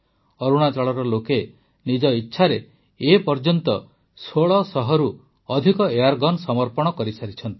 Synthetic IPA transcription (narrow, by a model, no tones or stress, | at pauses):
ɔɾuɽ̃at͡ʃɔɭɔɾɔloke | nid͡ʒɔitːʃʰaɾe | epɔɾd͡ʒɔnt̪ɔ̰ | soɭɔsɔɦɔɾu | ɔd̪ʱikɔeaɾɡɔnsɔmɔɾpɔɽ̃ɔkɔɾisaɾit͡ʃʰɔnt̪i̥